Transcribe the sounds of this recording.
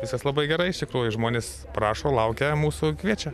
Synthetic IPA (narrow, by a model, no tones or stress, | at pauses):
ʋʲɪskɐslˠɐbɐɪɡʲɛɾɐɪɪʃt̪ʲɪkɾuːjʊʒmoːnʲeːs | pɾɑːʃoːlˠɐʊkʲɛmuːsʊkʋʲiɛt͡ʃʲɛ